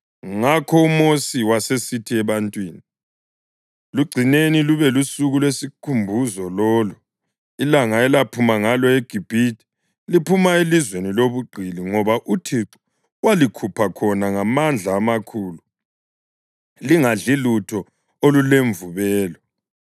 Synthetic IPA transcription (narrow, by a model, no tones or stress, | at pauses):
ŋakʰɔumosiwasesitʰiɛβantʼwiːni | luɡ͡ǀʱineniluβɛlusuɣulwesikʰumbʱuzɔlɔːlu | ilaŋaɛlapʰumaŋalɔeɡ̥ʱib̥ʱiti̥ | lipʰumaelizweniloβuɡ͡ǀʱiliŋɔβaʔutʰiǀu̥ | walikʰupʰakʰɔnaŋamand͡ɮʱaːmakʰuːlu | liŋaɮilutʰɔ | oluleɱvuβɛːlɔ